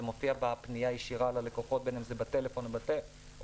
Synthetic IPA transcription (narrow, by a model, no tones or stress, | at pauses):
emofiabapnijajeʃiʁalalekoχo̞t̪̚benemzebat̪elefo̞nbat̪e